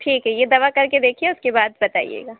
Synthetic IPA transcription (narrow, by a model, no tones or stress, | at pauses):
ʈʰiːkɦɛjed̪ɐʋakɐɾked̪eːkʰiɛʊskebaːd̪̚bɐt̪a̰ːḭjḛːɡaː